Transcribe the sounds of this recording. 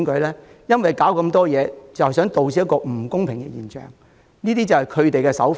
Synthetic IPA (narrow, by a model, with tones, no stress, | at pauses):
nkɵ˨˧˥lɛː˥ | jɐ˥nwɐ˨jkaː˨˥wkɐ˧mt̪ɔː˥jɛː˨˧t͡sɐ˨whsœː˨˥ŋt̪o˨wt͡si˨˥jɐ˥tkɔː˧m̩˨˩kʊ˥ŋpʰɪ˨˩ŋɡɛ̰˧jiː˨˩nt͡ʃœ̰ː˨˩ŋ | niː˥t̪iː˥t͡sɐ˨whɐ˨jkʰɵ˨˧t̪e˨jkɛː˧sɐ˨˥wf